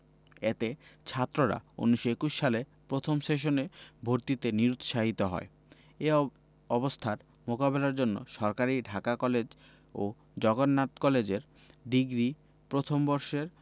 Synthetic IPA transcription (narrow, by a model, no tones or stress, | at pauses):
et̪et͡ɕʰat̪ːɾoɾa̰ṵnːiʃoekuʃʃalepɾot̪ʰomseʃ̬onebʱoɾt̪it̪eniɾut̪ʃaɦit̪oɦɔ̰e | e | ɔbost̪ʰaɾ | mokabelaɾd͡ʑonːo̰ʃɔɾkaɾiɖʱakakɔled͡ʑ | o | d͡ʑɔɡonːat̪kɔled͡ʑeɾ | d̪iɡɾi | pɾot̪ʰombɔɾʃeɾ